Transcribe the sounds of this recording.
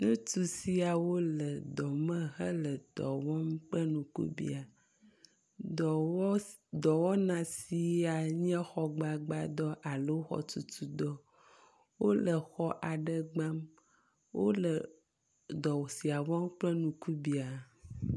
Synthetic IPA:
nũ˦tu˦si˦a˨wo˦lə˨d̪ɔ˨mə̃˦ɦə˦lə˨d̪̥ɔ̰˨wɔ˦mk͡plə˦nũ˨kṵ˦bḭ˦a˨˦ | d̪ɔ˨wɔ˦nã˨si˨a˨ɲ˦ɛ̃˦xɔ˦ɡ͡ba˨ɡ͡ba˨d̪ɔ˦ʔa˨lə˦wo˦xɔ̰˨tu˨tu˦d̪ɔ˦ | wo˦lə˨xɔ˦ʔa˨ɖə˦ɡ͡ba˦m | wo˦lə˨ | d̪ɔ˨wsi˨a˨wɔ˦mk͡plə˦nũ˨ku˦bi˨a˨

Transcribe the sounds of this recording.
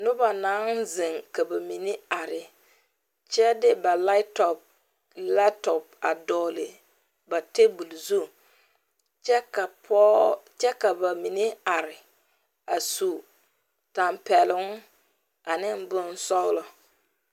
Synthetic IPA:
nʊ˦ba˨naː˨˦nzɪ˨ŋka˨ba˨mi˨ne˦a˨ɾɪ˨ | t͡ʃɛ˦dɪ˦ba˨la˦tɔ˨p̚ | la˦tɔ˨p̚a˨dɔː˨lɪ˨ | ba˨te˦bu˨lzu˦˨ | t͡ʃɛ˦ka˨pɔ˦t͡ʃɛ˦ka˨ba˨mi˨ne˦a˨ɾɪ˨ | a˨su˨ | ta˨mpɛ˨lɪ˨˦ŋ˦ | a˨nɪ˦m˦bʊ˦n˦sɔ˦ɣlɔ˨

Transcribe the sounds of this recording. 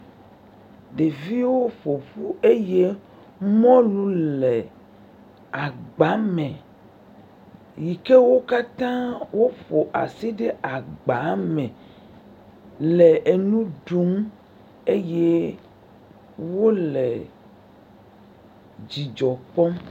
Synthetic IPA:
ɖe˨vi˦wo˦ɸo˨ɸu˦e˦je˦ | mɔ̃˦lũ˦le˨ | a˨ɡ͡ba˨˦mẽ˨ | ji˨ke˦wo˦ka˦t̪ã˦wo˦ɸo˨ʔa̰˨si˦ɖe˦ʔa˨ɡ͡ba˨˦mɛ̃˨ | le˨ʔe˨nũ˦ɖu˨˦m | e˦je˦ | wo˦lḛ˨ | d͡ʑi˨d͡ʒɔ˨k͡pɔ̃˦

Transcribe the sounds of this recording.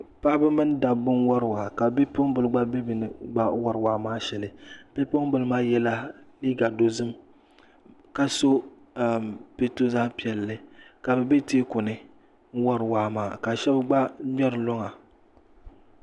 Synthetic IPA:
pa˦bɨ˦mɨ˦n˦da˨bːʊ˦n˦wɔ˦ɾɨ˨wa˨ka˨bɛ˦pʊ˦ŋbɨ˨lɨ˦ɡ͡ba˦bɛ˦bi˨nɨ˨ɡ͡ba˦wa˦ɾɨ˨waː˦maː˦ʃɛ˨lɨ˨pɛ˦pʊ˦ŋbɨ˨lɨ˦maː˦jɛ˦la˦li˦ɡa˨do˨zɨ˦m | ka˦so˦˨ | pe˦to˦zaː˦pi˨ɛ˨lːɨ˦ka˨bɛ˨bɛ˦teː˦kʊ˨nɨ˦ | ŋ̩˦wɔ˦ɾɨ˨waː˦maː˦˨ka˨ʃɛ˦bɡ͡ba˦ɲɛ˦ɾɨ˨lo˦ŋa˨

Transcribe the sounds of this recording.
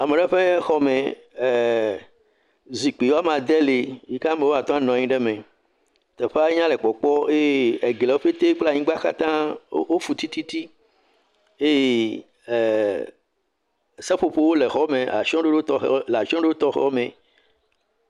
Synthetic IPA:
a˨me˨ɖɛ˦ɸe˦xɔ˦mẽ˨ | zi˨k͡pi˨wo˦a˦mã˨d̪e˦li˨ji˦ka˦me˦wo˦a˨t̪ɔ̃˦a˦nɔ̃˨ɲĩ˦ɖe˦mẽ˨ | t̪ɛ˨ɸe˦a˦ɲã˦le˨k͡pɔ˨k͡pɔ˦e˦e˦e˨ɡle˨wo˦ɸe˦t̪e˦k͡pla˦˨ɲĩ˦ɡ͡ba˦ka̰˦t̪ã˦wo˦fu˨t̪i˦t̪i˦t̪i˦ | e˦je˦˨ | se˦ɸo˨ɸo˦wo˦le˨xɔ˦mẽ˨a̰˨ʃɔ̃˦ɖe˦ɖe˦t̪ɔ˦xla˨ʃɔ̃˦ɖe˦o˦t̪ɔ˦xɛ̰˦ɔ˦mẽ˨

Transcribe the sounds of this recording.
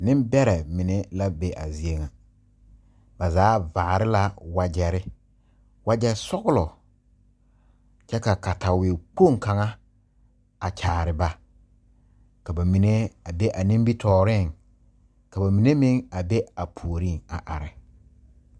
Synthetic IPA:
nɪ̃˦mbɛ˦ɾɛ˨mɪ˨ne˦la˦be˦ʔa̰˨zi˨˦e˦ŋa˨ | ba˨zaː˨˦vaː˨ɾɪ˦la˦wa˨d͡ʒɛ˨ɾɪ˦ | wa˦d͡ʒɛ˦sɔ˦ɣʊ˦lɔ˨ | t͡ʃɛ˦ka˨ka˨ta˨wɪ˨k͡po˦˨ŋ˨ka˨ŋa˦ | a˨t͡ʃʰaː˨ɾɪ˨ba˨ | ka˨ba˨mi˨ne˦a˨be˦ʔa˨nĩ˦m˦bi˦tʰɔː˦ɾɪ˦˨ŋ | ka˨ba˨mi˨ne˦mɪ̃˦ŋa˨be˦a˨pʰu˨o˨ɾi˦˨ŋa̰˨ʔa˨ɾɪ˨

